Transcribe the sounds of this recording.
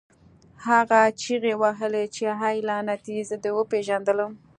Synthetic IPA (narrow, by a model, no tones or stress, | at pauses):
haɣat͡ʃiɣewaɦəlet͡ʃeɦajlanat̪izd̪əwəpeʒand̪ələm